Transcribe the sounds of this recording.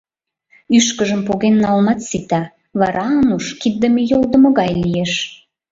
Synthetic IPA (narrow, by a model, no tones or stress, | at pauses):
yʃkəʒəmpoɣenːɑlmɑt̪sit̪ɑ | βɑɾʔɑənuʃkid̪̚d̪əmejold̪ə̆mə̆ɣɑjlijeʃ